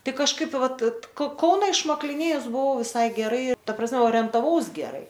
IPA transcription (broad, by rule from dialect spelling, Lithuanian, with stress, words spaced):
ˈtɐɪ kɐʃˈkɐɪp ˈʋɐt koː ˈkɐʊnɐ ɪʃmɐklʲɪˈnʲeːjʊs bʊˈʋɐʊ ʋʲɪˈsɐɪ ɡʲɛˈrɐɪ tɐ prɐsʲˈmʲɛ oːrʲiɛntɐˈʋɐʊs ɡʲɛˈrɐɪ